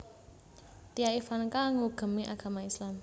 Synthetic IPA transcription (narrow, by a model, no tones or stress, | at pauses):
t̪ijaifankaŋuɡ̥ə̤miʔaɡ̥a̤maislam